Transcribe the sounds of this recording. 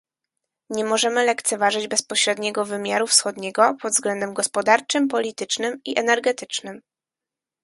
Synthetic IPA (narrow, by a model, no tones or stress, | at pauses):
ɲɛmɔʐɛmɘlɛkt̪sɛvaʐɘd͡ʑbɛspɔɕɾɛd̪ɲɛɡɔvɘmʲjaɾufsxɔd̪ɲɛɡɔpɔd̪zɡlɛnd̪ɛmɡɔspɔd̪aɾt͡ʂɘmpɔlʲit̪ɘt͡ʂnɘmiʔɛnɛɾɡɛt̪ɘt͡ʂnɘm